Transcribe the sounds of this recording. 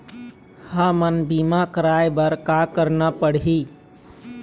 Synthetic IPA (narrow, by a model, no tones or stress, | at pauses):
hamənbiːmakəɾaːjbəɾkaːkəɾnapəɽiː